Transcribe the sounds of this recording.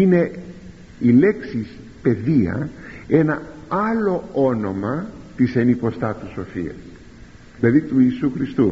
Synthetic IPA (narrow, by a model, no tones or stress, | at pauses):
ine̞ | ile̞ksis | pe̞ðiɐ̰e̞nɐɐlo̞o̞no̞mɐt̪ise̞nipo̞st̪ɐt̪uso̞fḭɐ̰s | ðilɐðit̪uisuxɾist̪u